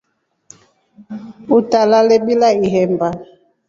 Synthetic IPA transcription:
utalalɛɓilaiɦɛmba

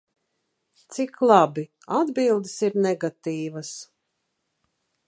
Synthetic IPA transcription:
t̪siklˠabi | ad̪bilˠd̪isiɾnɛɡat̪iːvas

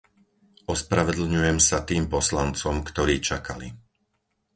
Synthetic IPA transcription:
ɔspɾaʋɛd̪l̩ɲujɛmsat̪iːmpɔslant͡sɔmkt̪ɔɾiːt͡ʃakalḭ

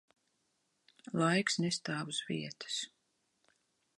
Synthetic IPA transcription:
lˠajksnɛst̪aːvusvḭɛt̪ɨ̥s

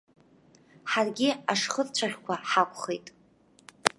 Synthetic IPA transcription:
ħarɡʲɪaʂχərt͡ɕʷʰaʁʲkʷʰaħakʷʰʼχejtʼ

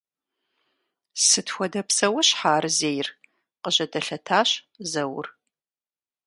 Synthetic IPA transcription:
sɨtxʷɔdɐpsɐwʊɕħaːrɨzeːjr | qəʑɐdɐɬɐtʰaːɕ | zɐwʊ̰r

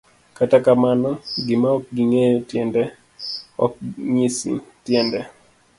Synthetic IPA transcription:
katakamanɔɡɪmaɔk̚ɡiŋejotjɛndɛ | ɔ̰k̚ɲisḭtjɛndɛ

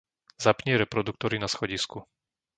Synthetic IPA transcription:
zapɲɪɛɾɛpɾɔd̪uk̚t̪ɔɾinasxɔɟisku

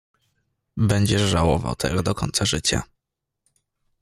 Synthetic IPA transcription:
bɛɲd͡ʑɛʐawɔva̰wt̪ʰɛɡɔd̪ɔkʰɔ̰ɲʲt̪saʐɘt͡ɕa̰

